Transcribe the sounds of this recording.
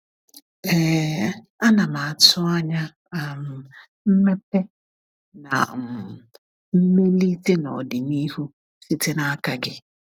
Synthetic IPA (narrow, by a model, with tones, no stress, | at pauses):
ɛ˨ | a˦na˨ma˨a˨tʊ˦a˦ɲa˦˨ | m̩˨ | m̩˦me˦p̚e˦ | na̰˨m̩˨ | m̩˦me˦li˦te˦nɔ̰˨dɪ˨ni˦ɦu˦ | si˦te˦na˦ka˦ɡɪ˦